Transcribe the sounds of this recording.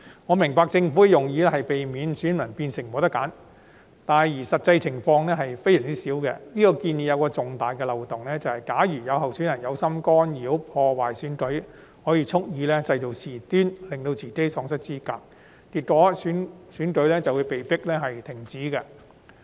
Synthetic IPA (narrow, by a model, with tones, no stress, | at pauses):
ŋɔː˨˧mɪ˨˩ŋpaː˧k̚t͡sɪ˧ŋfu˨˥kɛ˧jʊ˨ŋjiː˧lɦɐ˨jpe˨jmiː˨˧nsyː˨˥nmɐ˨˩npiː˧nsɪ˨˩ŋmɔ˨˧t̪ɐ˥kːaː˨˥n | t̪aː˨njiː˨˩sɐ˨t̚t͡sɐ˧jt͡sʰɪ˨˩ŋfɔː˧ŋlɛː˥ɦɐ˨jfe˥jɛː˨˩ŋt͡si˦˥siː˨˥wkɛ̰˧niː˥kɔː˧kiː˧njiː˨˩jɐ˨˧wkɔː˧t͡sʊ˨ŋt̪aː˨jkɛː˧lɐ˨wt̪ʊ˨˩ŋlɛː˥t͡sɐ˨whɐ˨jkaː˨˥jyː˨˩jɐ˨˧wɦɐ˨wsyː˨˥njɐ˨˩jɐ˨˧wsɐ˥mkɔː˥njiː˨˥wpʰɔː˧waː˨jsyː˨˥nkɵ˨˥ɥ | hɔː˨˥jiː˧t͡sʰʊ˥k̚jiː˧lɛː˥t͡sɐ˧jt͡so˨˩wsiː˨˩t̪yː˥nlɪ˨ŋt̪o˧wt͡sʰiː˨˩ke˥jsɔː˨˧ŋsɐ˥t̚t͡siː˥kaː˧˩k̚ | t̪iː˨t̚kɔː˨˥syː˨˥nsyː˨˥nkɵ˨˧˥ɥlɛː˥t͡sɐ˨wu˨˧jpe˨jpɪ˥k̚lɛː˥ɦɐ˨jt̪ʰɪ˨˩ŋt͡siː˨˥kɛ˧